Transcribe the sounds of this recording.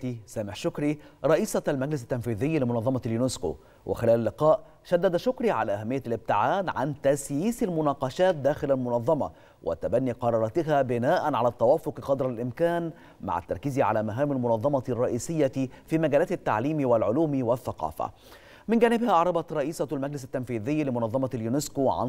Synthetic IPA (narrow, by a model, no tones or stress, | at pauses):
isæːmɪħʃʊkɾiɾˤɑʔiːsɑlmæɡlɪsɪt̪ːænfiːðɪjːilɪmʊnɑðˤːɑmɑljunɪsko̰ | wʔɪ̰xɪlæːlalːɪqɑːʔ | ʃæd̪ːæd̪ʃʊkɾiːʕa̰læːʔæhæmːɪjːælɪb̚t̪ɪʕaːd̪ʕa̰nt̪æsjiːsalmʊnɑːqɑʃæːt̪̚d̪æːxɪlalmʊnɑðˤːɑmɑ̰ | wʔɪ̰t̪abænːiqɑɾˤɑːɾˤɑt̪ɪɦæbɪnaːʔænʕalæːt̪ːæwæːfʊqqɑd̪ɾˤɑlʔɪmkæːn | ma̰ʕa̰t̪ːɑ̰ɾˤkiziʕa̰læːmæɦaːmalmʊnɑðˤːɑmɑrˤːɑʔiːsɪjːafiːmæɡæːlæːt̪ɪt̪ːa̰ʕliːmwɪlʕʊluːmiwɪθːɑqɑ̰ːfæ̰ | mɪnɡæːnɪbhæʔɑʕɾˤɑbɑt̪ɾˤɑʔiːsɑlmæɡlɪsɪt̪ːæmfiːðɪjːlɪmʊnɑðˤːɑmɑljunɪskoʕa̰n